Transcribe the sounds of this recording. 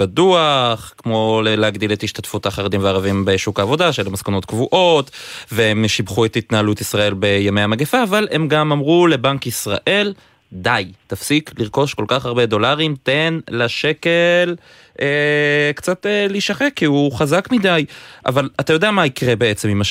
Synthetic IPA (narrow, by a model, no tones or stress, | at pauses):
aduaχkmo̞leleaɡdilethiʃtatfutaχaʁed̪imveaʁavimbeʃukaːvo̞daʃelemaskanotkvuʔo̞tveemʃibχuetitnaɦalutisʁae̞lbe̞jamejamaɡefaːvale̞mɡamamʁule̞baŋkisʁa̰ʔe̞l | d̪ajtafsikliʁko̞ʃko̞lkaχaʁbe̞d̪o̞laʁimte̞nlaʃe̞kel | ʔekt͡sateliʃaχekːiuχazakmidajʔa̰valatajo̞d̪eamaikʁebe̞et͡se̞mima